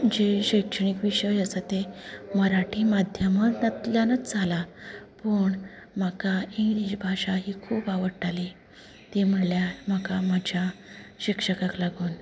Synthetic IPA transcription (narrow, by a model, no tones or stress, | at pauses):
d͡ʑeɕəjkʂəɳikʋiɕəjəsət̪eməɾaʈʰiːmad̪ʱjəməɾnət̪ljanət͡sd͡zʱalapəɳ | makaiid͡ʑbʱaʂaɦiːkʰuːpaʋəɽʈali | t̪im̤əɽljam̤akamad͡ʑʱjaɕikʂəkãklaɡuːn